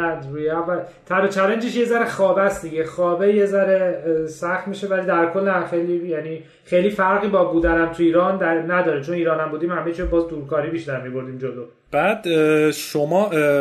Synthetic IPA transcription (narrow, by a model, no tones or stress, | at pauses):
nd̪ɾuːjeævːæl | t̪ʰæɾot͡ʃʰæɾend͡ʒeʃjezæɾexɒːbæsd̪iɟexɒːbeje̞zæɾesæxt̪miːʃevæliːd̪æɾkʰo̞lːæxejlijæniː | xejlifæɾɣiːbɒːbuːd̪ænæmt̪ʰuiːɾɒːnd̪ænæd̪ɒːɾet͡ʃʰoniːɾɒːnæmbuːd̪iːmhæmet͡ʃʰiɾobɒːzd̪uːɾkʰɒːɾiːbiʃt̪æɾmibo̞ɾd̪iːmd͡ʒolo | b̥æːd̪ʃomɒː